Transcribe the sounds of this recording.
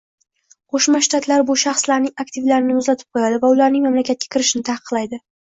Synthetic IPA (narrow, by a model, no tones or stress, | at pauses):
qʰoʃmaʃt̪at̪ʰlaɾbʊʃɑχslaɾnɪŋakt̪ʰɪvlaɾɪnɪʊzlat̪ʰɪ̥p̚qʰojad̪ɪvaʊlaɾnɪŋmamlakʲʰat̪̚ʲḁkʲɪɾɪʃnɪt̪ʰahqʰɨqlˠajd̪ɪ